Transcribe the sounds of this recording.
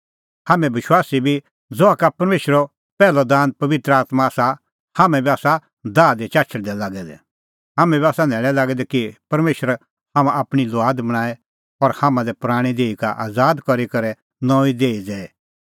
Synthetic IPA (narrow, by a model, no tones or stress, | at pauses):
haːmɛ̃bɪʃwaːsibʱi | d͡zɔakapɐɾmeːʃəɾɔ | pɛːlɔd̪ãːnpɐʋɪt̪ɾəaːt̪maːsa | hamɛ̃biaːsa | d̪aːd̪ɛt͡ʃaːt͡ʃʰəɽd̪ɛlaːɡɛd̪ɛ̰ | ɦaːmɛ̃biaːsanɛːlɛlaːɡɛd̪ɛkipɐɾmeːʃəɾ | hamãʔapɽ̃iloaːd̪bɐɽ̃aːɛ | ɔɾhamãlɛpʊɾaːɽ̃id̪eːika̰ʔa̰ːd͡zaːd̪kɔɾikɐɾɛ | nɔ̃ːid̪eːid͡zɛːɛ